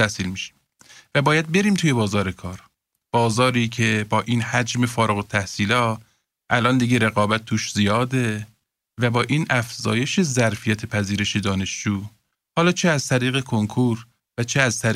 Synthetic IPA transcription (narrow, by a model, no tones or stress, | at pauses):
æhsiːlmiʃi̥m | væbɒːjæd̪̚be̞ɾiːmt̪ʰuːje̞bɒːzɒːɾe̞kʰɒːɾ | b̥ɒːzɒːɾiːcʰe̞bɒːʔiːnhæd͡ʒme̞fɒːɾeɣot̪ʰæhsiːlɒːt̪ | ʔælʔɒːnd̪iɡeɾe̞ɣɒːbæt̪̚t̪ʰuːʃzijɒːd̪e̞ | væbɒːʔiːnʔæfzɒːje̞ʃe̞zæɾfijæt̪ʰe̞pʰæziːɾe̞ʃe̞d̪ɒːne̞ʃd͡ʒuː | hɒːlɒːt͡ʃʰeæzt̪ʰæɾiːɣe̞kʰoŋkʰuːɾ | væt͡ʃʰeæzt̪ʰæ